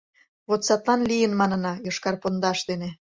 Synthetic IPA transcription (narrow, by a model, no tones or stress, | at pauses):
βot̪sɑt̪lɑnlʲijənmɑnɤ̆nɑjoʃkɑrpond̪ɑʃd̪ene